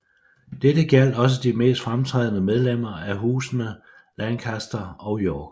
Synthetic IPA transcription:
d̥edəɡ̥æl̰d̥ɒ̽s̬əd̥ime̝̰ːsd̥fʁamt͡sʰʁɛːð̞̰ˠnəmeð̞ˠlem̰ɐæɦuːsnə | lænkʰæsd̥ɐɒʊjɒːɡ̥

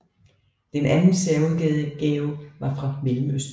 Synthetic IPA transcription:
d̥enʔænn̩sɛɐuðˠɡ̥ɡ̥ɛːʊʋɑ̈fʁɑ̈melm̩øsd̥

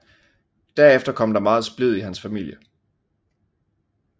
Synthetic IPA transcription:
d̥æɐefd̥ɐkʰɒ̽m̰d̥ɑ̈mɑ̈ːð̞̩ˠsb̥leð̞̰ˠiɦænsfæmil̰jə

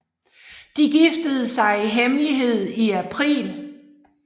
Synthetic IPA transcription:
d̥iɡ̥ifd̥əð̞̩ˠəsɑ̈ɪiɦemliɦe̝ð̞̰ˠiæpʰʁḭːl

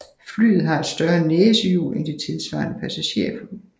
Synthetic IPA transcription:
fly̰ːð̞̩ˠɦɑ̈e̝d̥sd̥ɶɐneːsəjṵːlend̥e̝t͡sʰe̝lsʋɑ̰̈ːnəpʰæsæɕe̝̰ɐfʰu

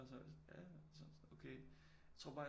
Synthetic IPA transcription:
ɒsnɔ̰ljæsɔnsokʰeː | jjt͡sʰʁo̝ɐ̰b̥ɑ̈ː

